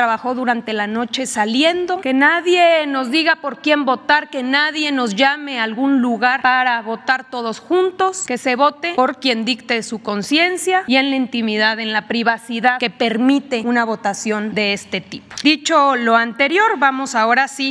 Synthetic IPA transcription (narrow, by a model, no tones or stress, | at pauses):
ɾaβaxo̞ðuɾant̪e̞lano̞t͡ʃe̞salje̞nd̪o̞ke̞naðje̞no̞zðiɣapo̞ɾkje̞mbo̞t̪aɾke̞naðje̞no̞zʝame̞alɣunluɣaɾpaɾaβo̞t̪aɾt̪o̞ð̞o̞sxunt̪o̞ske̞se̞βo̞t̪e̞po̞ɾkje̞nd̪ikt̪esuko̞nsje̞nsjaie̞nlaint̪imiðaðe̞nlapɾiβasiðaðke̞pe̞ɾmit̪e̞unaβ̞o̞t̪asjo̞nd̪e̞est̪e̞t̪ipod̪it͡ʃo̞lo̞ant̪e̞ɾjoɾβamo̞saoɾasi